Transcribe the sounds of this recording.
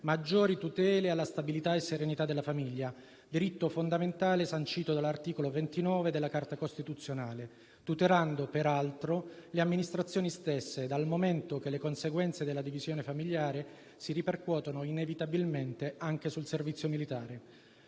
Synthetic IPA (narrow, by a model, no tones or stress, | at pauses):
mad͡ʒːoːɾit̪ut̪ɛːlealːast̪abilit̪aesːeɾenit̪ad̪ːelːafamiʎːa | d̪iɾit̪ːofond̪ament̪aːlesant͡ʃiːt̪od̪alːart̪iːkolovent̪inɔːved̪elːakart̪akost̪it̪ut̪sːjonaːle | t̪ut̪eɾand̪opeɾalt̪ɾoleamːinist̪ɾat̪sːjoːnist̪esːed̪almoment̪ok̟elːekonseɡwɛnt̪sed̪elːad̪ivizjoːnefamiʎːaːɾe | siriperkwɔːt̪onoinevit̪abilment̪eaŋk̟esulservit̪sjomilit̪aːɾe